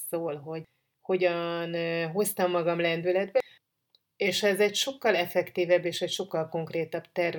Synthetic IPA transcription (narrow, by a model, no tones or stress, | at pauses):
soːlɦo̞ɟ | ho̞ɟɒnɦo̞st̪ɒmːɒɡɒmlɛnd̪ylɛd̪bɛ | eːʃɛzɛcʃo̞kːɒlɛfɛkt̪iːvɛbːeːʃɛcʃo̞kːɒlko̞ŋkreːt̪ɒb̥t̪ɛr